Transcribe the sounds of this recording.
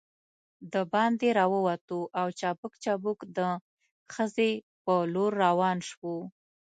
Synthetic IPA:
d̪əbɑnd̪eɾɑwəwat̪uʔawt͡ʃɑbəkt͡ʃɑbukd̪ə | xəze | pəloɾːawɑnʃwu

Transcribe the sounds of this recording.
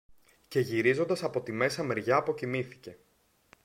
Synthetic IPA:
ce̞ʝiɾizo̞nd̪ɐsɐpo̞t̪ime̞sɐmeɾʝɐːpo̞cimiθi̥ce̞

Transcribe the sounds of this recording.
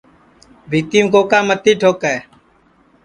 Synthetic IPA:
bʱiːt̪iːmkoːkãːmət̪ːiːʈʰoːkɛː

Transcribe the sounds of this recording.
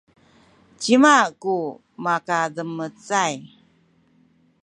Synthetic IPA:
t͡ɕimaku | makadəmət͡saj

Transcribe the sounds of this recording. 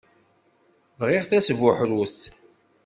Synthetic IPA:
vʁɪʁθæsvʊħɾwuθ

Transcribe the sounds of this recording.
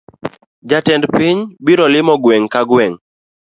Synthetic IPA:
d͡ʒatɛndpɪɲbiɾɔlɪmɔɡwɛŋkaɡwɛŋ

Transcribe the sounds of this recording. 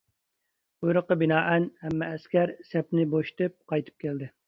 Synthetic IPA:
ujɾəqːəbɪnɑːʔɛnhɛmːɛːskʲɛɾsɛpnɪboʃi̥t̪ɨp̚qʰɑjt̪ʰɨ̥p̚kʲeld̪ɪ

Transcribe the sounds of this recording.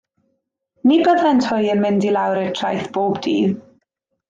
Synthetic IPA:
nibəðɛntʰʊjənmɪndilˠawɾɛ̥tʰrajθb̥oːbdiːð

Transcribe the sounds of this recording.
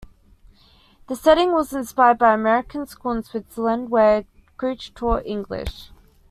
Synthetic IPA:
ðəsɛɾɪ̃ŋwɒzɪ̃nspaɪəd̚baɪəmɛɹɪkʰə̃nskuːlˠə̃nswɪtsələ̃ndwə | ɡ̥ʰɹiˑt͡ʃtʰɔːʔɪ̃ŋɡlɪ̰ʃ

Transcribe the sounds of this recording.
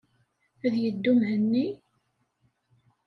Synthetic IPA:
æðjəd̪ːumhənːi

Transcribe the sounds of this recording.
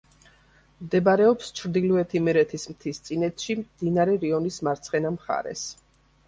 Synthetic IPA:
md̪ɛbaɾɛɔpst͡ʃʰɾd̪iluɛt̪ʰimɛɾɛt̪ʰismt̪ʰist̪sʼinɛt̪ʰʃimd̪̥inaɾɛɾiɔnismaɾt̪sʰχɛnamχa̰ɾɛ̰s

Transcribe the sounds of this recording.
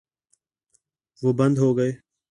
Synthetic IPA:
ʋoːbənd̪ʱɦoːɡəeː

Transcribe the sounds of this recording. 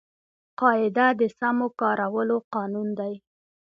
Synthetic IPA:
qɑɪd̪ad̪əsamokɑɾawəloqɑnund̪aj

